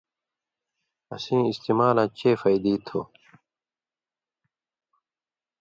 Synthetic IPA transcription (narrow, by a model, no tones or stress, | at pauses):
ɐ̰sĩːist̪iːmaːlãːt͡ɕeːfɐid̪iːt̪ʰo̰ː